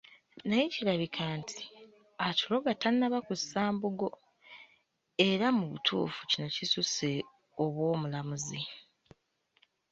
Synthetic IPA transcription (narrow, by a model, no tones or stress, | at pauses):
najecilaβikʰaːntʰi̥ | atulo̞ɡatannːaβakusaːmbuɡo̞ | e̞ɾamuβṵtʰṵːfu̥cino̞cisuse | oβwo̞ːmulamuzi